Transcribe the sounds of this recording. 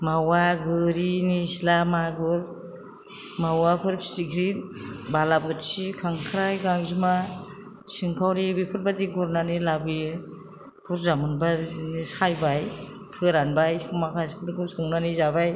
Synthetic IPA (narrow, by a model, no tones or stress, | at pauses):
mawaɡɯɾinisilamaɡɯɾ | mawapʰɯɾpstiɡʰɾinbalap̚ɯtsikʰaŋkʰɾajɡaŋzima | siŋkʰawɾibipʰɯt̚badiɡuɾnanilabi | pʰuɾzamɯnbanisajbaj | pʰɯɾanbajsumakʰajskʰɯɾɡusuŋnanizabaj